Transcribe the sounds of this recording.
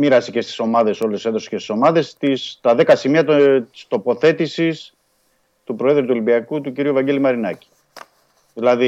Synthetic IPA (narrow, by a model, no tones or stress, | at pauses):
miɾɐsece̞st̪i̥so̞mɐðe̞so̞luseðo̞se̥cest̪i̥so̞mɐðe̞st̪ist̪ɐðe̞kɐsimiɐt̪t̪i̥st̪o̞po̞θe̞t̪isis | t̪upɾo̞e̞ðɾut̪uolibiɐkut̪uciɾiuvɐɲɟelimɐɾinɐci̥ | ðilɐði